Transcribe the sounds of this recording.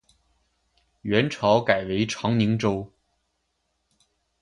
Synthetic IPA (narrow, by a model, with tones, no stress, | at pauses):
ɥɛ˧˥nʈ͡ʂʰɑ˧˥ʊka˨˩ɪwe˧˥ɪʈ͡ʂʰɑ˧˥ŋni˧˥ŋʈ͡ʂo˥ʊ